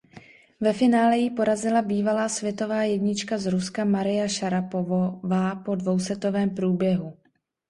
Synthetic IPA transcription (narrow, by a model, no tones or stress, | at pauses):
vɛfɪnaːlɛjɪpo̞ɾazɪlabiːvalaːsvjɛt̪o̞vaːjɛdɲɪt͡ʃkazɾuskamaɾɪjaʃaɾapovvaːpo̞dvo̞wsɛt̪o̞vɛːmpɾuːbjɛɦu